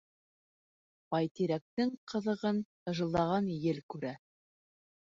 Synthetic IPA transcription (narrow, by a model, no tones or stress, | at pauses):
bɑjt̪iɾæk̚t̪ɘŋqʰɤ̆ðɤ̆ʁɤn | ɤ̆ʒɤ̆lˠːɑʁɑnjɘlkʉɾæ